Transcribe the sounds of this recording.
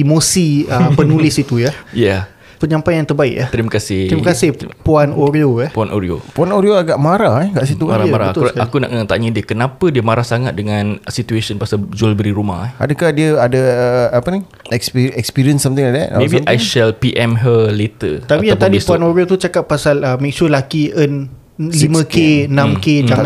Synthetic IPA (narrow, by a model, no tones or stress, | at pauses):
imosiəpənũlɪsit̪ujaja | pəɲãmpajãŋt̪ərbaɪ̰kjaht̪əɾimakasɪh̪ɾimakasɪhpuanoɾiojahpuanʔo̰ɾio̰puanoɾioaɡaʔmaɾaɛkaʔs̬it̪umaɾamaɾaat̪akuna̰ʔət̪aɲədiəkənapədiəmaɾahsaŋat̪̚dəŋansit̪uesənpasad͡ʒualbəɾiɾuma̰hɛʔa̰dəkahdiəadəəapəni | ɛkspiɛkspiɾiənsːamt̪iŋladɛ̰ʔa̰mebiʔajʃɛlpiʔɛmɦəlet̪ət̪apijaŋt̪adippuanoɾiot̪ut͡ʃakapːasaləmik̚sulakiʔən | limə̃kenãmked͡ʒaŋ